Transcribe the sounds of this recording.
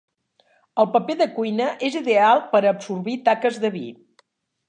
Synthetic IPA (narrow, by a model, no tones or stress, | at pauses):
əlˠpəpeðəkujnəʔeziðealˠpəɾəpsurβit̪akəzðəβḭ